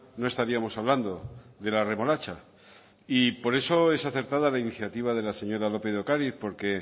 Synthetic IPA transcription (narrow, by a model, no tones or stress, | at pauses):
no̞e̞st̪aɾiamo̞saβland̪o̞ðe̞lare̞mo̞lat͡ʃa | ipo̞ɾe̞so̞e̞saθe̞ɾt̪aðalainiθjat̪iβaðe̞lase̞ɲo̞ɾalo̞pe̞ðo̞kaɾiθpo̞ɾke̞